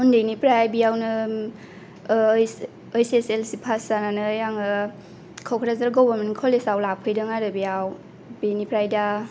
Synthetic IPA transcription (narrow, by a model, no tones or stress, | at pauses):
undejnipɾajbijawnɯ | jː | jseselsipʰasananɯjaŋɯ | kʰɔwkʰɾazaɾɡɔbaɾmenkʰɔlesawlapʰɯjdɯŋaɾɯbijaw | binipɾajda